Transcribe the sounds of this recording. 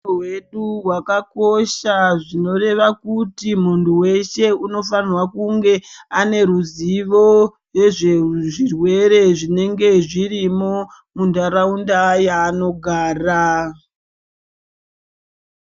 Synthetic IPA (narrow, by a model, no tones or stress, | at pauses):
weɗuwakako̞ʃaʐino̞re̞ʋakutim̤unduwe̞ʃe̞uno̞fanrwakuŋɡe̞ane̞ɾuziʋo̞ | je̞ʐeʐirwe̞ɾe̞ʐine̞ŋɡe̞ʐiɾimo | mundaɾaundajaːno̞ɡʱaːra